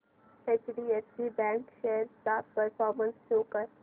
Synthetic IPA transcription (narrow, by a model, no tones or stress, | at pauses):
et͡ʃɖiːesibɛ̃ŋkʃeːəɾt̪apəɾfɔːɾmə̃nsʃoːkəɾ